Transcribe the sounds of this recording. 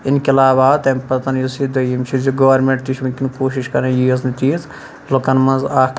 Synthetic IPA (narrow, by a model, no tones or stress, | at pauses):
inkʲiɐlaːʋaːt̪ɐmʲpɐt̪ɐnjisid̪ɐjimʲt͡ʃʰiziɡɐʋɐɾmẽɳʈt̪it͡ʃʰbɐnʲkʲinkoːʃiʃkɐɾɐjues̬nit̪ʲiːz | lokɐnmɐ̃nzaː